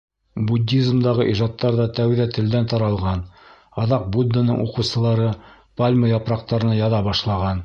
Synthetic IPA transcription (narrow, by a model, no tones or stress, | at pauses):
budʲːizmd̪ɑʁɤʔiʒɑt̪ːɑɾðɑt̪æwðæt̪ɘ̆ld̪ænt̪ɑɾɑlˠʁɑn | ɑðɑq̚bud̪ːənɤ̰ɴṵqɤ̆sɤ̆lˠɑɾɤ | palʲməjɑpɾɑq̚t̪ɑɾɤ̆nɑjɑðɑbɑʃlˠɑʁɑn